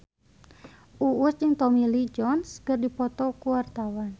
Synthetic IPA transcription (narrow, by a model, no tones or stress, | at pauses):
ʔuust͡ʃɨŋt̪ɔmilid͡ʒɔnskərdipɔt̪ɔkuwart̪awan